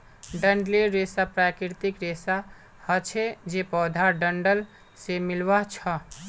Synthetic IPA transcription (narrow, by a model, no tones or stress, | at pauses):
ɖəɳɖleɾesapɾakɾiɾt̪ikɾesa | hət͡ʃʰed͡ʒepɔːd̪ʱaɾɖəɳɖəl | semilʋat͡ʃʰə